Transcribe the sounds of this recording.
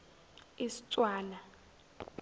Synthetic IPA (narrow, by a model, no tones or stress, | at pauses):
isi̥t͡sʼwaːla